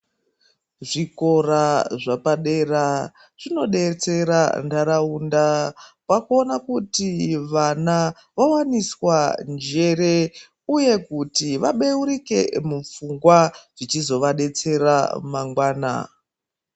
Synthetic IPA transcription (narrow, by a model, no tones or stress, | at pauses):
ʐiko̞ɾaʐapaɗera | ʐ̥ino̞ɗe̞t͡se̞ɾa̰ndaɾauːndapakonakutiʋana | ʋawaniswand͡ʒe̞ɾe̞ | uje̞kutiʋaɓeuɾike̞̰mup͡fuŋɡwaʐ̥it͡ʃizo̞ʋaɗe̞t͡se̞ra̰maŋɡwaːna̰